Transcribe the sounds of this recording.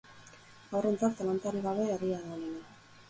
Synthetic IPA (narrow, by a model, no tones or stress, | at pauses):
awre̞nt͡saɾt̪alant̪aɾiɣaβe̞ːriaðaonena